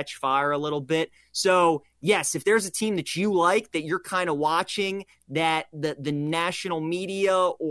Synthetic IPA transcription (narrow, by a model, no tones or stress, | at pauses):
ɛt͡ʃfaɪə˞əlɪɾl̩ˠbɪt̚ | soʊ | jɛsɨfðə˞zɨtʰĩmðɨt͡ʃɨlaɪk̚ðɨt͡ʃə˞kʰãɪ̃ndəwɑt͡ʃɪ̃ŋ | ðɨt̪̚ðɨðɨnæʃɨnl̩ˠmiɾiəə